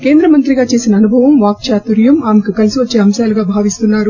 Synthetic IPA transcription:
ke̞ːnd̪ɾɐmɐnt̪ɾiɡaːt͡ʃe̞ːsinɐːnubʱɐʋɐmʋaːk̚t͡ʃaːt̪uɾjɐmaːmekikɐlisiʋɐt͡ʃːeːɐmsaːluɡaːbʱaːʋist̪unːaːɾu

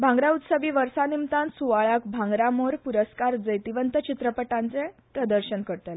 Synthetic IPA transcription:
bʱãŋɡɾaut̪səbiːʋəɾsanimt̪ãnsuʋaɭak̚bʱãŋɡɾamoɾpuɾəskaɾd͡zəjt̪iʋənt̪ət͡ɕit̪ɾəpəʈãnt͡sɛp̪ɾəd̪əɾɕənkəɾt̪al

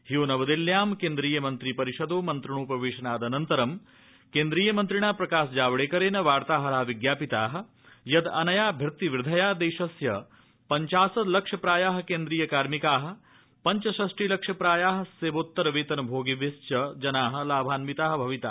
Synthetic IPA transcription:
hijoːnɐʋɐd̪iljaːmkeːnd̪ɾiːjɐmɐnt̪ɾiːpɐɾiʃɐd̪oːmɐnt̪ɾɐ̃uːpɐʋeːʃɐnaːd̪ɐnɐnt̪ɐɾɐm | keːnd̪ɾiːjɐmɐnt̪ɾiɳaːpɾɐkaːsd͡ʒaːʋɽeːkɐɾeːnɐʋaːɾt̪aːɦɐɾaːʋiɡjaːpit̪aːɦɐ̆ | jɐd̪ɐnɐjaːbʱɐɾt̪iʋɾɪd̪ʱɐjaːd̪eːʃɐsjɐ | pɐɲt͡ʃaːsɐd̪lɐkʂɐpɾaːjaːɦɐ̆keːnd̪ɾiːjɐkaːɾmikaːɦɐ̆ | pɐɲt͡ʃɐʃɐsʈiːlɐkʂɐpɾaːjaːɦɐ̆seːboːt̪ːɐɾɐʋeːt̪ɐnɐbʱoːɡiʋest͡ʃɐd͡ʒɐnaːɦɐ̆laːbʱaːnmit̪aːɦɐbʱɐʋit̪a̰ː

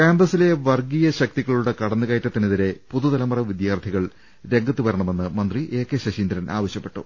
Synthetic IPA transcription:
keːnd̪rɐsile̞ʋɐrɡijɐɕɐk̚t̪iɣɐɭuɽe̞kɐɽɐnːɨɣɐːjtːɐt̪ːiniðiɾe̞puðud̪ðɐlɐmɐrɐʋid̪jaːrt̪ʰiɣɐɭ | ɾe̞ŋɡɐt̪ːuʋɐɾɐɳɐme̞nːɨmɐnd̪riʔe̞ːkːeɕɐɕiːnd̪ɾɐnʔaːʋɐɕjɐpːe̞ʈːṵ

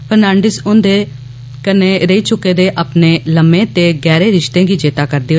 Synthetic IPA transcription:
pʰəɾnãːɳɖɪsʊnd̪eː | kəneːɾəiːt͡ʃʊkːeːd̪eːʔapneːləmẽːt̪eːɡɛːɾeːɾɪʃt̪ẽːɡiːd͡ʒeːt̪aːkəɾd̪eːɦ

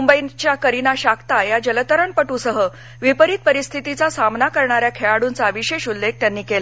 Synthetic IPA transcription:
umbəjint͡ɕjakəɾinaɕakt̪ajad͡ʑələt̪əɾəɳpəʈusəɦə | ʋipəɾit̪̚pəɾist̪ʰit̪it͡sasamnakəɾɳaɾjakʰeɭaɽuːnt͡saəʋiɕeɕulːeɡ̚t̪janːiːkela

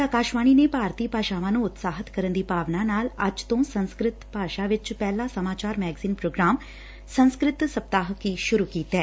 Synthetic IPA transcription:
aːkaːʃʋaːñiːneːpaːɾt̪iːpaːʃaːʋãːnũːʊt̪saːɦət̪kəɾənd̪iːpaːʋnaːnaːləd͡ʒt̪õsə̃nskɾɪt̪paːʃaːʋɪt͡ʃpɛːlaːsəmaːt͡ʃaːɾmɛːɡziːnpɾoːɡɾaːm | sə̃nskɾɪt̪səp̚t̪aːɦəkiʃʊɾuːkiːt̪ɛː

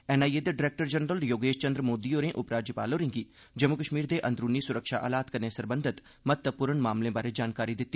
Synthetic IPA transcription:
ɛːnaːijed̪eɖɪɾɛːk̚ʈəɾd͡ʒənɾəljoːɡeːʃt͡ʃə̃nd̪ɾmoːd̪ioːɾẽʔʊpɾaːd͡ʒjəpa̰ːloːɾɪ̃ŋɡi | d͡ʒɐmːukəʃmiːɾd̪eʔɐ̃nd̪ɾuːnisʊɾəkʃaʔa̰ːlaːt̪kəɾnesɐɾbə̃nd̪ʱɪt̪ | mət̪ːəpʊːɾəɳmaːmlẽbaːɾed͡ʒaːnkaːɾid̪ɪt̪ːi

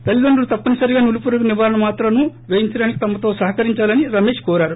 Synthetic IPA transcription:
pelːid̪ɐɳɖulut̪ɐpːɐnisɐɾiɡaːnulupuːɾɐkɐniʋaːɾɐɳɐmaːt̪ɾɐnuʋeːjiɲt͡ʃɐɖaːnikit̪ɐmːɐt̪o̞ːsɐɦɐkɐɾiɲt͡ʃaːlɐniɾɐme̞ːʃkɔːɾaːɾu

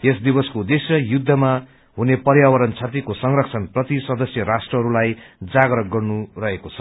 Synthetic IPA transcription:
esd̪ibʌskod̪esjʌjud̪ʱːʌma | ɦunepʌrjawʌɾʌnt͡sʰat̪̬ikosʌŋrʌk̚t͡sʰʌnprʌt̪isʌd̪ʌsjʌɾasʈrʌɦʌɾulajd͡zaɡɾʌɡʌrnurʌɦekot͡sʰʌ̥

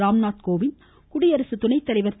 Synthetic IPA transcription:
ɾaːmnaːt̪̚koːʋɪn | kʊɽɪjɐɾɐsɯt̪ʊnɐɪt̪ːɐɭɐɪʋɐɾt̪

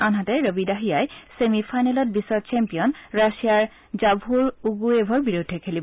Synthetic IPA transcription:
anɦatɛɹobidaɦijajsemipʰajnalɔt̚bisɔt͡ʃɛmpijɔnɹasijaɹ | zabʱuɹuɡuebʱɔɹbiɹudʱːɛkʰelib

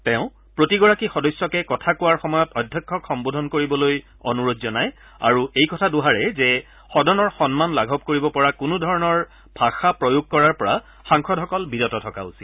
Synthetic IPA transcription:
tɛ̃ʊ̃ | pɹotiɡɔɹakixɔdɔjsjɔkɛkɔtʰakʊwaɹxɔmɔjɔtɔdʱjɔkʰːɔkxɔmbodʱɔnkoɹibɔloj | ɔ̰nuɹodzɔnaj | a̰ɹuejkɔtʰaduɦaɹɛzɛ | xɔdʱɔnɔɹxɔnmanlaɡʱɔp̚koɹibɔpɔɹakʊnudʱɔɹɔnɔɹ | bʱaxapɹɔjuɡ̚kɔɹaɹpɔɹa | xaŋkʰɔdʱɦɔkɔlbidɔtɔtʰɔka̰usi̥

